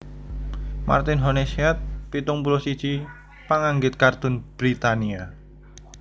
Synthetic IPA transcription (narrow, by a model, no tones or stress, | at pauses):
ma̰rt̪ɪnɦonesiat̪̚pit̪ʊŋpuɾosi̥ʒ̥i | paŋaŋɡɪt̪̚kart̪ʊnb̥ɾit̪ania